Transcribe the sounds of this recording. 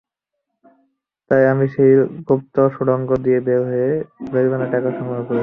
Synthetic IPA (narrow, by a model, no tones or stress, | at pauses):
t̪ajamiʃejɡop̚t̪oʃuɽɔŋɡod̪iebeɦoebeɾbʱanaʈɛkaʃɔŋbakoɾei